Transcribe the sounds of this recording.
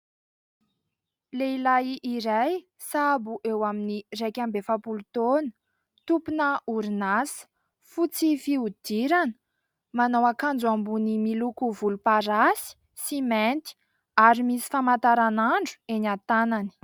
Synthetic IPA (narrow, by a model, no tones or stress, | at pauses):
leilaiʔiɾaj | sabuʔewaminirekʲambefapulut̪onə̥ | t̪upunəuɾinasə̥ | fut͡sifiud̪̥iɾanə̥ | manawakand͡zuambunimilukuvulupaɾasi̥ | siment̪i̥ | aɾimisi̥famat̪aɾanaɳɖ͡ʐu̥enat̪anani̥